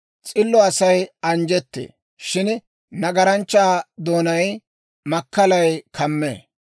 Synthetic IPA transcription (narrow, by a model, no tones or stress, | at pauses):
t͡sʼɪlːɔɐsɐjɐnd͡ʒɛt̪ːḛː | ʃɪn | nɐɡɐɾɐnt͡ʃːaːd̪o̞ːnɐj | mɐkːɐlɐjkʰɐmːḛː